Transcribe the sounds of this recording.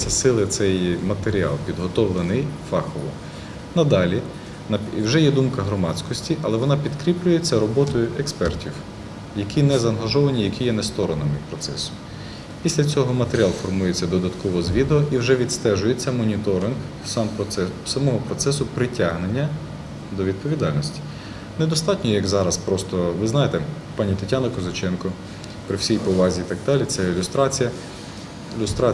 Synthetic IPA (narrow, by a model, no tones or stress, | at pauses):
sʲɐsɪlˠɪt̪sɛjmɐt̪eɾʲiɑ̰lˠpʲid̪ɦɔt̪ɔʋlˠenɪjfɑxɔʋɔ | nɐd̪ɑlʲi | nɐwʒɛjɛd̪umkɐɦɾɔmɑt͡sʲkɔsʲtʲiʔɐlˠɛʋɔnɑpʲid̪kɾʲiplʲʊje̞t͡sʲːɐɾɔbɔt̪ɔjʊʔekspɛrtʲiw | jɐkʲinɛzɐːnɦɐʒɔʋɐnʲijɐkʲijɛnɛst̪ɔɾɔnɐmɪpɾɔt̪sɛ̰sʊ̥ | pʲisʲlʲɐt͡sʲɔɦɔmɐt̪eɾʲɪɑlˠfɔrmujet͡sʲːɐd̪ɔd̪ɐt̪kɔʋɔzʋʲid̪eɔʔiwʒɛʋʲid̪st̪ɛʒʊjet͡sʲːɐmɔnʲit̪ɔɾɪnɡ | sɑmsɐmɔɦɔpɾɔt̪sɛsʊpɾɪtʲaɦnenʲːɐ | d̪ɔʋʲid̪̚pɔʋʲid̪ɑlʲnɔsʲtʲi̥ | nɛd̪ɔst̪ɑtʲnʲɔjɐɡzɑɾɐspɾɔst̪ɔʋɪznɑjet̪ɛ | pɑnʲit̪ɐtʲːanɐkɔzɐt͡ʃɛnkɔ | pɾɪwsʲijpɔʋɑzʲiːt̪ɑɡ̚d̪ɑlʲit̪sɛilʲʊst̪ɾɑt͡sʲijɐ | lʲust̪ɾɑ